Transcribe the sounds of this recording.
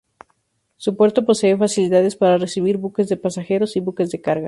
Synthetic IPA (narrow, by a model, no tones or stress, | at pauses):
supwe̞ɾt̪opo̞seefasiliðaðe̞spaɾare̞siβiɾβukezðe̞pasaxe̞ɾo̞siβuke̞zðekaɾɣa